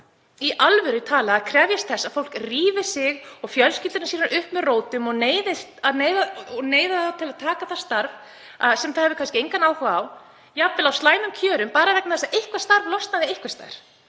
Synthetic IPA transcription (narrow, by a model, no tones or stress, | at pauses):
iʔalvʏɾɪt̪ʰaːlaaðkʰɾɛvjast̪̚θɛsːaðfowl̥kriːvɪ̥sɪɣɔɣfjœlskɪt̪ɪnasiːɾaɾʔʏhpmɛðroːwt̪ʏmɔneːjðɪsaðneːjðaɔneːjðaθat̪ʰɪlaðt̪ʰaːkaθḁst̪aɾv | aðsɛmθaðhɛvʏ̥kʰanscɪejŋkanaːwkvaaw | japvɪlawst̪laːjnʏmcʰœːɾʏmpaːɾaðvɛk̚naθɛsːaðʔejhkvast̪aɾvlɔst̪naðɪejhkvast̪a̰jɾ̥